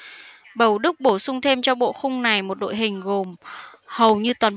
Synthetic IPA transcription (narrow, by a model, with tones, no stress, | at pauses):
ɓə˨˩wɗɨ˦˥k̚ɓo˧˩sʊ˧wŋ͡mt̪ʰe˧mt͡ɕɔ˧ɓo̰˧˨xʊ˧ŋ͡mna˨˩jmo˨˩t̚ɗo̰˧˨jɦï˨˩ŋ̟ɣo˨˩mhə˨˩wɲɨ˧t̪waː˨˩n